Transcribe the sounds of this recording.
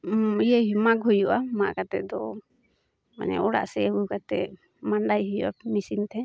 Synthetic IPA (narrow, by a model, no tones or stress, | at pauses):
ijəɦimaɡɦujuʔamaʔkat̪ɛd̪ɔ | ma̰ɲɛ̰ʔɔɽa̰ʔsɛbukat̪ɛ | maɳɖajɦujṵʔa̰misint̪ʰɛ